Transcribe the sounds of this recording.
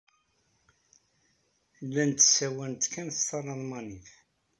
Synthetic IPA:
lːænt̪ːsæwænt̪kænθsɑrˤːɑðmɑnif

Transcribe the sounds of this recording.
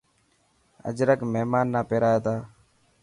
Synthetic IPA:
ə̰d͡ʒɾəkmeːmaːnːaːpeːɾaːjeːt̪aː

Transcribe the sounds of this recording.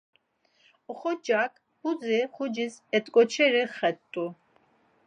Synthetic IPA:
ɔχɔd͡ʒakʰʼ | b̥ud͡zɛχʊd͡ʒizɛt̪ʼkʼɔt͡ʃʰɛɾɛχɛtt̪ʼu

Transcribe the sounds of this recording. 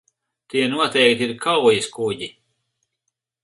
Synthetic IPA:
t̪iɛnuɔt̪ɛjkt̪ʲiɾkʰawjiskuɟi

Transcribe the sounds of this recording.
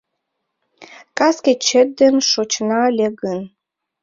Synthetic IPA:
kɑsket͡ɕət̪̚d̪ənʃot͡ɕnɑlʲeɣən

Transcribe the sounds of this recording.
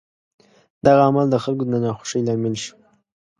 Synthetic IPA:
d̪̥aɣaːmald̪əxalkod̪ənanaxʊ̥ʂəjlɑmɪlʃi̥

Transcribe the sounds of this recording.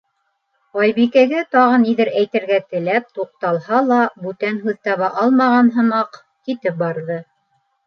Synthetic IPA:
ɑjβikæɡæt̪ɑʁɤniðɘɾæjt̪ɘ̆ɾɡæt̪ɘ̆læp̚t̪uq̚t̪ɑlˠhɑlˠɑbʉt̪ænɦʉðt̪ɑβɑʔɑlˠmɑʁɑnɦɤ̆mɑq | kit̪ɘp̚bɑɾðɤ

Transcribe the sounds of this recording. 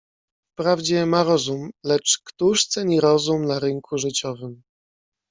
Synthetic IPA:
fpɾavd͡ʑɛmaɾɔzumlɛt͡ʂkt̪uʂt̪sɛɲiɾɔzumnaɾɘŋkʰuʐɘt͡ɕɔvɘm

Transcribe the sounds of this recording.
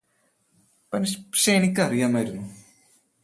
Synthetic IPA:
pɐnːisɕejnikʲːɨɐrijaːmaːjiɾunːu

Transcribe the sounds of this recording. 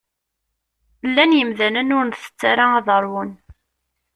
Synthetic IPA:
lːænjəmðænənʊɾnθə̥t͡sːaɾaɑðəɾˤwʊn

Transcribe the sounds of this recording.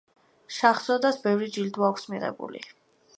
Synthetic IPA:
ʃaχz̥ɔd̪asbɛvɾid͡ʒild̪waːkʷʰsmiʁɛ̰bṵlḭ

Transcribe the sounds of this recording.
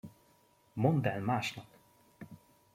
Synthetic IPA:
mond̪ɛlmaːʃnɒp

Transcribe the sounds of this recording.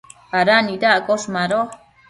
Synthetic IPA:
aɾanidaʔkoʃmaɾo

